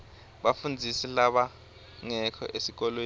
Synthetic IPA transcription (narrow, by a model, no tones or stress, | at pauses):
ɓafund͡zʱisilaɓa | ŋɛkʰɔ̰ʔesik̬ɔlweː